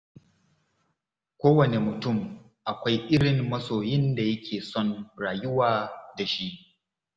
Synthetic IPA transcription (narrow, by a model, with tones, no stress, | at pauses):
kʷoː˦wɐ˨ne˨mʊ˨tʊ˦˨m | ʔa˨kʷa˦jʔɪ˦ɽɪ˨mːɐ˦soː˨jɪ˦nda˨jɐ˦kʲʰeː˨sɔ˦nɽaː˨jʊ˦waː˨da˨ʃi˦ʔ